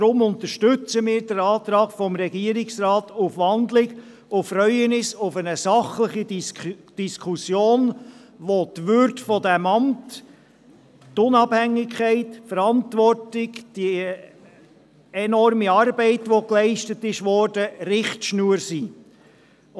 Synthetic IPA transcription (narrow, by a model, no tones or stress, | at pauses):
d̥ɾʊmʊntəʃtʏt͡səmɪːɾdəɾɑːt̪ɾɑːɡfɔmɾɛɡiəɾɪksrɑːtʊfʋɑnd̪lɪk | ʊfɾœʏənɪsʊfənəsɑχləχid̥iskʰusjoːnʋotʋʏɾtfɔdæmɑmt | tʊnɑphæŋːɪkʰɛɪtfəɾɑntʋɔrtɪkd̥i | ɛnɔrmiɑrbɛɪtʋoklɛɪʃtətːɪʃʋɔɾd̥ərɪχtʃnuːəɾsiː